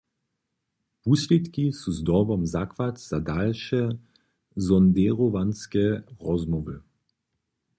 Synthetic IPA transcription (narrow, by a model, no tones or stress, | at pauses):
puslʲet̪kisuzd̪ɔbɔmzakvatz̥adalʃɛ | zɔnd̪ɛʁovanskɛʁɔzmɔvə